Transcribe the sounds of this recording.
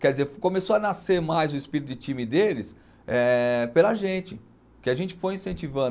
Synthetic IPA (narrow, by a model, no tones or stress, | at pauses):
kɛɾd͡ʒɪzeɾkõmesoɐnaseɾmajzʊispiɾit̪̬ʊd͡ʒɪt͡ʃĩmɪd̪elɪs | ɛpelɐʒẽt͡ʃɪ | kɪaʒẽnt͡ʃɪ̥fojĩsẽnt͡ʃivɐ̃